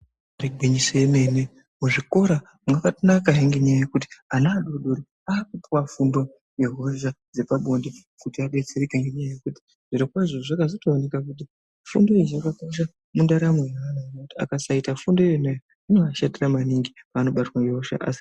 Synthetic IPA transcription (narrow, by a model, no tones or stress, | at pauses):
riɡʱwiɲisojeme̞ne | muʐiko̞ɾa | makatonakaɦiŋɡeɲajajekut̬i̥anaːɗoɗoɾi | aːkupuwafundo | jeɦoʒad͡ze̞paɓo̞ndi | kutiaɓe̞t͡seɾekeŋɡe̞ɲajaje̞kuti̥ | ʐ̥iɾikwaʐoʐakazotoːnekakut̬i | fundoizakakoʃ̬a | mundaɾamwejaːnaakutia̰kasaitafundoenaja | inaʃadiramaniŋɡipaːno̞ɓatwaŋɡeɦoʃa̰ʔa̰si̥